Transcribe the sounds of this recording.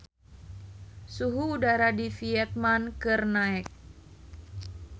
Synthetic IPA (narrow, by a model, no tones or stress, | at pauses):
suɦuːdaɾadifiɛt̪̚mankɨrnaɛk̚